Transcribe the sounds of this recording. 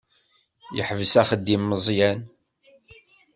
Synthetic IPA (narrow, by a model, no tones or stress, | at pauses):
jəħvəsæχəd̪ːimːəzˤjæn